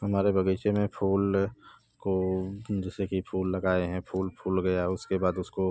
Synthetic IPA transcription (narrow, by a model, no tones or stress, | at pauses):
ɦɐmaːɾebɐɡəɪt͡ʃemẽpʰuːl | kod͡ʒɛːsekipʰuːlːɐɡaːeɦɛ̃pʰuːlpʰuːlɡɐjaʊskebaːd̪ʊsko